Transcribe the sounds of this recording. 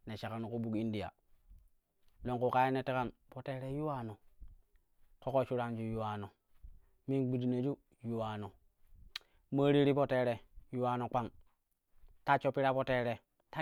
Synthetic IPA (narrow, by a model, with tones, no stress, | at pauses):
ne˨ʃa˨ka˨no˨ku˦bu˦ki˦ndi˨ja̰˨ | lo˨ŋku˨ka˦je˦ne˦te˦ka˦npo˨te˨ɾe˦ju˦wa˦no˨ | ko˦ko˦t͡ʃu˦ɾa˦nd͡ʒu˦ju˦wa˨no˨ | mi˦nɡ͡bi˨di˨ne˨d͡ʒu˦ | ju˦wa˨no˨ | ma˦ɾi˦ɾi˦po˦te˨ɾe˨ju˦wa˨no˨k͡pa˦ŋ | ta˦t͡ʃo˦pːi˦ɾa˦po˦te˦ɾe˨ | ta˦